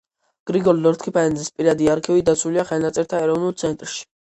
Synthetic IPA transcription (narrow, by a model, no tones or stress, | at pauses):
ɡ̥ɾiɡɔɾlɔɾt̪ʰkʰipʰaɛnzispʼiɾad̪iaɾkʰivid̪at̪sʰuliaχɛlˠnat̪sʼɛɾt̪ʰaɛɾɔvnulˠt̪sʰɛnt̪ʼɾʃi̥